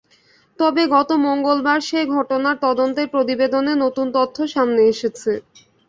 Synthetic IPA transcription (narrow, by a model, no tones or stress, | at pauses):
t̪ɔbeɡɔt̪omoŋɡolbaɾʃeɡʱɔʈonaɾt̪ɔd̪ont̪eɾpɾot̪ibed̪onenot̪unt̪ot̪ʰːoʃamneeʃet͡ɕʰe